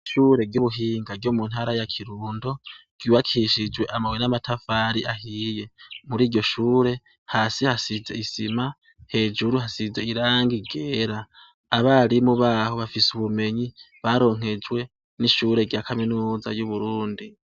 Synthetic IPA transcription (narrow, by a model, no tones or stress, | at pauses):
ʃuːɾe̞ɡjuβuɦiːŋɡaɡɟjoːmun̥haɾajakʰiɾuːndo̞ɡ̥uːwakʰiʃid͡ʒwe̞ʔamawenamatʰafaɾiʔahije̞muɾiːɾɟjo̞ʃuːɾe̞ | haːsihasize̞̰isima | he̞ːd͡ʒuɾuhasize̞iɾaːŋɡiɡe̞ːɾaː | βaːɾimuβaːho̞βafisuβume̞ɲi | βaɾo̞ːŋ̥e̞d͡ʒwe̞ | niʃuːɾe̞ɡjaːkʰaminuːza̰juβuɾuːndi